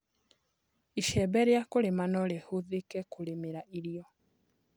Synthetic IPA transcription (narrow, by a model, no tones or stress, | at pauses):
iʃɛbeɾjakulimanolehuðikɛkulimiɾaʔiɾjo